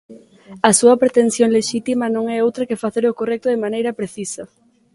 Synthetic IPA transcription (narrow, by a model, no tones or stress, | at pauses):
ɐsuɐpɾet̪en̟θjoŋleʃit̪imɐnõŋɛowt̪ɾɐkɪfaθeɾokorɛk̚t̪ʊðɪmanejɾɐpɾeθisɐ